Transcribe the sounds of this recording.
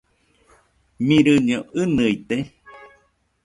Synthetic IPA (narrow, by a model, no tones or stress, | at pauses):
mĩɾɨɲoʔɨnɨjt̪e